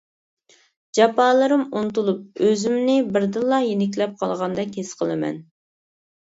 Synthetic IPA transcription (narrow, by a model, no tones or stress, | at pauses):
d͡ʒɑpɑːlˠɨɾɨmunt̪ulˠup̚øzymnɪbɪɾd̪ɨlˠːɑjenɪk̬ʲlɛp̚qʰɑlˠʁɑnd̪ɛkʲhesqʰəlˠɨmɛ̰n